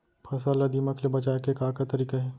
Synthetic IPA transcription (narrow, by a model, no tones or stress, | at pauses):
pʰɐsalɐd̪imɐkʰlebɐt͡ʃaːekekaːkat̪ɐɾiːkaɦɛː